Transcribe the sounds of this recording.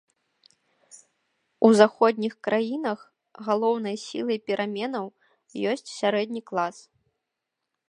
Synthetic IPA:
uzaxɔd̪ʲnʲixkɾʔajinɐx | ɣalˠɔwn̪ɐjsʲḭlˠɐjpʲiɾʔamʲɛnɐw | jɔsʲt͡sʲsʲaɾɛd̪ʲnʲiklˠas

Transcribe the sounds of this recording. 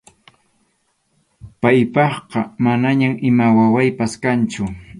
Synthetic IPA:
pajpɑχqɑmanaɲamʔɪmawawajpaskant͡ʃʊ

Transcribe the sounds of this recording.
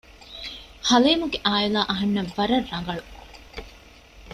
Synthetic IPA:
hɐleːmuɡeʔaːilaːʔɐɦɐnːɐʋːɐɾɐrːɐŋɡɐɭu

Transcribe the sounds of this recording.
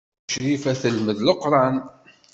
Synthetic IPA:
ʃɾifæθəlməðləqɾˤɑn

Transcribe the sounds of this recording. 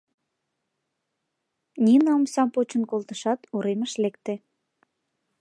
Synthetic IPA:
nʲinɑmsɑmpot͡ɕənkolt̪əʃɑt̪uɾeməʃlekt̪e

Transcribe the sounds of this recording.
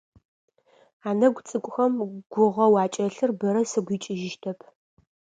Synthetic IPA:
aːnɐɡʷt͡sʼɨkʷʼʊxɐmɡ̥ʷʊʁɐwɑːt͡ʃʼɐɬɨrbɨɾɐsɨɡʷiːt͡ʃʼɪʒɪʃtʰɐpʰ

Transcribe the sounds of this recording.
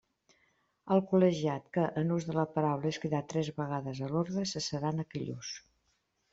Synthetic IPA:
əlˠkuləʒiat̪kəʔənuzðələpəɾawləeskiðat̪ɾɛzβəɣ̞aðəzəloɾðɾəsəsəɾanəkiʎṵs

